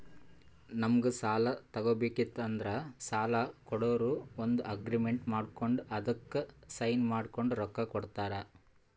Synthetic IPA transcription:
nɐmɐɡusaːlɐt̪ɐɡoːbeːkit̪ːɐnd̪ɐɾɐsaːlɐkɔɽoːɾuːond̪uʔɐɡɾime̞ɳʈmaːɖkoɳɖuɐd̪ɐkːesɐjnmaːɖko̞ɳɖuɾɔkːɐkɔɽt̪aːɾɐ

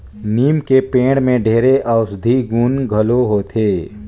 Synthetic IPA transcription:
niːmkepẽːɽmẽɖʱeːɾeʔɐʊsd̪ʱiɡuːnɡʱəloɦoːt̪ʰeː

